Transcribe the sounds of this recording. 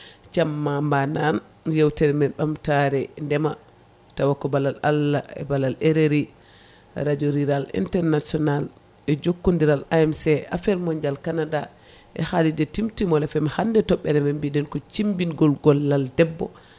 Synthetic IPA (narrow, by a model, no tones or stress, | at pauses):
t͡ʃamːambanan | jewtɛɾɛmɛɓamtaɾɛndɛma | tawakːɔbalala̰lːaɛ̰balaleɾeɾi | ɾad͡ʒoɾiɾalḭntɛɾnasɔnal | ɛd͡ʒokːundiɾalaɛmsɛʔafɛɾmɔɲd͡ʒalkanada | ʔɛ̰halid͡ʒɛtimtimɔlɛfɛmahandɛtɔɓːɛɾɛmambidɛnkɔt͡ʃimbinɡɔlɡɔlːaldɛbːɔ̰